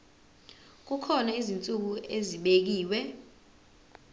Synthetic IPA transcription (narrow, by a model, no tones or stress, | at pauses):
k̬ukʰɔnaizint͡sʼuk̬ueziɓek̬iːwɛ